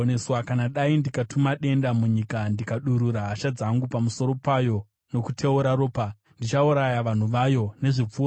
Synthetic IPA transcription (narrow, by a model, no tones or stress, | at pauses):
neswakanaɗaindikatumaɗe̞ndamuɲikandikaɗuɾuɾaɦaʃad͡zaŋɡupamuso̞ɾo̞pajo̞ | no̞kutʰe̞uɾaɾoːpa | ndit͡ʃauɾajaʋan̤uʋajo̞ne̞ʐip͡fu